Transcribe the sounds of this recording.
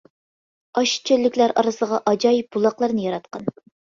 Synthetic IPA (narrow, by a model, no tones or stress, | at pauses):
ɑʃt͡ʃʰølːɪkʲlæɾɑ̰ɾɨsəʁɑʔɑd͡ʒɑjip̚bulˠɑqlˠɑɾnɨjɑɾɑt̪̚qɑn